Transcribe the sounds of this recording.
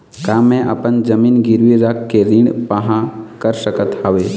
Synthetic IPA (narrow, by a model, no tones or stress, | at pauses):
kamẽʔə̰pənd͡ʒəmiːnɡɪɾʋiɾəkːeɾɪ̃ɳpəɦãkəɾsəkət̪aːʋe